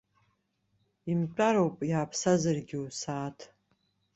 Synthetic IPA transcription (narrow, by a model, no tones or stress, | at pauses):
imʈ͡ʂʼaɾowpʼjaːpʰsazarɡʲiusaːtʰ